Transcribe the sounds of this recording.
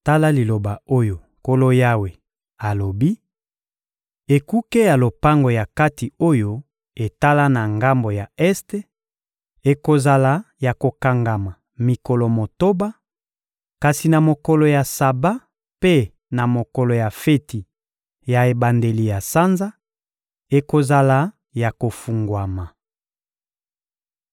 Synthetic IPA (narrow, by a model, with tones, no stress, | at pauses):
ta˦la˦li˨lo˨ba˨o˦jo˨ | ko˦lo˦ja˦we˨ | a˨lo˨bi˦ | e˨ku˦ke˦ja˨lo˨pa˦ŋɡo˨ja˨ka˦ti˨o˦jo˦ | e˨ta˦la˦na˨ŋɡa˦mbo˨ja˨ɛ˦ste˦ | e˨ko˨za˨la˦ja˨ko˨ka˨ŋɡa˨ma˨ | mi˨kɔ˨lɔ˨mo˨to˦ba˦ | ka˨si˨na˨mo˨kɔ˨lɔ˨ja˨sa˨ba˦ | pe˦ | na˨mo˨kɔ˨lɔ˨ja˨fe˦ti˨ | ja˨e˨ba˨nde˨li˨ja˨sa˦nza˦ | e˨ko˨za˨la˨˦ | ja˨ko˨fu˨ŋɡwa˨ma˨